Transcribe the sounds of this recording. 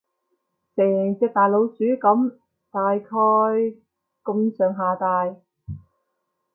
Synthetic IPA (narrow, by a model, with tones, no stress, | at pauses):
sɛː˨˩ŋt͡sɛː˧k̚t̪aː˨jlo˨˧wt͡syː˨˥kɐ˨˥m | t̪aː˨jkʰɔː˧j | kʊ˧msœː˨ŋɦaː˨t̪aː˨˧j